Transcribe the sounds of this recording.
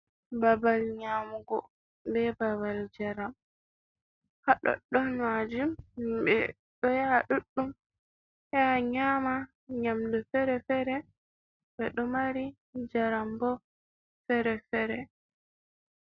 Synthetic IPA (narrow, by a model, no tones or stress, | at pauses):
babalɲamuɡɔ | bɛbaβald͡ʒaɾam | haɗɔ̰ɗːɔnmad͡ʒumbɛ̰ | ɗɔjaɗuɗːum | hɛaɲama | ɲamdɔfɛɾɛfɛɾɛ | bɛɗɔmaɾi | d͡ʒaɾambɔ | fɛɾɛfɛɾɛ